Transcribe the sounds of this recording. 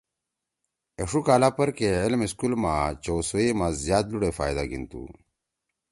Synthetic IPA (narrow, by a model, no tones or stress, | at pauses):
eʂukaːlapɐɾkeilmiskulmat͡ɕowsoemazjaːd̪luɽefaːjd̪a̰ɡḭnt̪ṵ